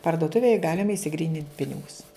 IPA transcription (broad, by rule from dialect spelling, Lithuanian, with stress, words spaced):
pɐrdoːˈtʊʋʲeːj ˈɡɑːlʲɪmɐ ɪʃʲsʲɪˈɡrʲiːnʲɪnt ˈpʲɪnʲɪɡʊs